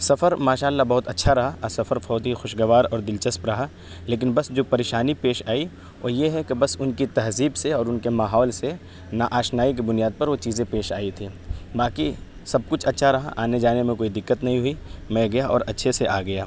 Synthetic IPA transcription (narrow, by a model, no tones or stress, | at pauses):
sɐfəɾmaːʃaːlːabɐɦʊt̪ɐtːʃʰaɾɐɦaɐsɐfəɾfɔːt̪ixʊʃɡɐʋaːɾɔːɾd̪ɪlt͡ʃəspɾɐɦa | leːk̬ɪnbɐsd͡ʒoːpɐɾeːʃaːnipeːʃaːi | ʋʔoːjeɦɛkebɐsʊnkit̪ɐɦziːbseɔːɾʊnkemaːɦɔːlse | naʔaːʃnaːik̬ibʊnijaːd̪̚pɐɾʋot͡ʃiːzẽpeːʃaːit̪ʰiːbaːki | sɐb̚kʊt͡ʃʰɐtːʃʰaɾɐɦa̰ʔaːned͡ʒaːnemẽkoːid̪ɪkːət̪nɐɦĩɦʊimɛ̃ɡɐjaʔɔ̰ːɾɐtːʃʰeseʔaːɡɐjaː